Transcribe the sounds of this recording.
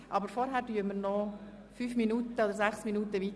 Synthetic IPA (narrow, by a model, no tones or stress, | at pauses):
ʔɑbəɾfɔɾɦæːɾdyːənməɾnɔ | fyːfminut̪əod̪əɾzæχsminuːtəʋit